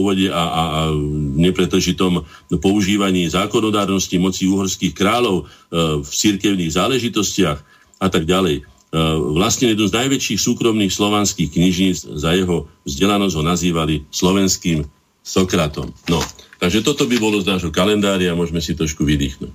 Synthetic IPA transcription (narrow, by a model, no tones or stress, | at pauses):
ʋɔɟɛaa | ɲɛpɾɛd̪l̩ʒit̪ɔm | pɔuʒiːʋaɲiːzaːkɔnɔd̪aːɾnɔscimɔt͡siuːɦɔɾskiːxkɾaːlɔʊft͡siɾkɛʊniːɣzaːlɛʒit̪ɔscɪax | at̪aɡ̚ɟalɛj | ʋlast̪ɲɛjɛd̪numznajʋɛt͡ʃiːxsuːkɾɔmniːxslɔʋanskiːxkɲiʒɲiːd͡zzajɛɦɔvzɟɛlanɔzɟɦɔnaziːʋalislɔʋɛnskiːm | sɔkɾat̪ɔ̰mnɔt̪aɡʒɛt̪ɔt̪ɔbibɔlɔznaːʒɦɔkalɛnd̪aːɾɪamʊɔʒmɛsit̪ɾɔʃkuʋid̪ḭːxnṵːc